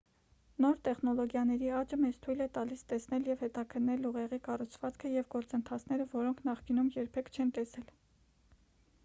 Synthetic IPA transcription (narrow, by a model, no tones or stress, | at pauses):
nɔɾt̪ɛχnɔlɔɡjɑnɛɾiɑt͡ʃəmɛt͡st̪ʰujlɛt̪ɑlist̪ɛsnɛljɛvhɛt̪ɑkʰənːɛluʁɛʁikɑrut͡sʰvɑt͡skʰəjɛvɡɔɾt͡sənt̪ʰɑt͡sʰn̪ɛɾəvɔɾɔŋkʰnɑχkinumjɛɾpʰɛkʰt͡ʃʰɛnt̪ɛsɛl